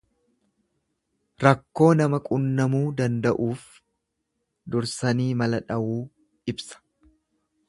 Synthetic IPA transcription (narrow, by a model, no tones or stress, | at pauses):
ɾɐkːo̞ːnɐmɐkʼʊnːɐmuːd̪ɐnd̪ɐʔuːf | d̪ʊɾsɐniːmɐlɐᶑɐʔuː | ʔɪbsɐ̥